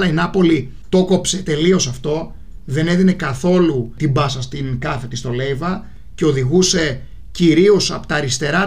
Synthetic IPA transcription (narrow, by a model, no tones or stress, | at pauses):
ɐinɐpo̞li | t̪o̞ko̞pse̞t̪e̞lio̞sɐft̪o̞ | ðe̞ne̞ðine̞kɐθo̞lut̪imbɐsɐst̪inkɐθe̞t̪ist̪o̞le̞jvɐ | ce̞o̞ðiɣuse̞ | ciɾio̞sɐpot̪ɐɾist̪e̞ɾɐ